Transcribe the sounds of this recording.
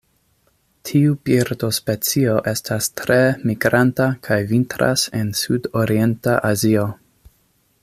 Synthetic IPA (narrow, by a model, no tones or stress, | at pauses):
tʰiubiɾdo̞spet͡sio̞ʔe̞stastɾe̞miɡɾantakʰajvintɾa̰se̞nsudoɾie̞ntaʔazio